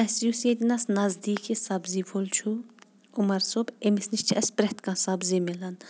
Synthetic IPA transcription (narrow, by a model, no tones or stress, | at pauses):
ɐsijused̪ʲinɐsnɐzd̪iːkʰisɐbzifʰolt͡ʃʰu | umɐɾsobemisniʃt͡ʃʰiɐspɾɛht̪kãsɐbzimilɐn